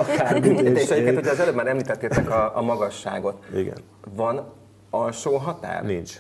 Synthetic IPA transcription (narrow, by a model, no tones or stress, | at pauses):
kat̪ɛeːtʃɛjikeːt̪hoɟʰɛɒzɛløːbmaːɾɛmliːt̪ɛt̪ːet̪ːɛkɒɒmɒɡɒʃːa̰ːɡo̞t̪iɡɛ̰n | vɒn | ɒlʃoːɦɒt̪a̰ːɾrnint͡ʃ